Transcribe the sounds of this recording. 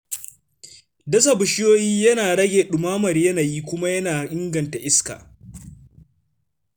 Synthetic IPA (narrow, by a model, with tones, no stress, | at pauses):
dɐ˦s̬a˦bʊ˨ʃɪ˦joː˦jiː˦jɐ˦naː˨ɽɐ˦ɡʲeː˨ɗʊ˨maː˦mɐ˨ɾjɐ˦naː˨jiː˦kʷʊ˦ma˦jɐ˦naː˨ʔʲɪ˦ŋɡɐ˨nta˨ʔɪ˦ska̰ː˨